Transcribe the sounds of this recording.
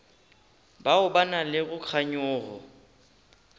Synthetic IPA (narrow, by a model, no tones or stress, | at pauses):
baʊbanalɪɣʊk͡xʰaɲʊːɣɔ̰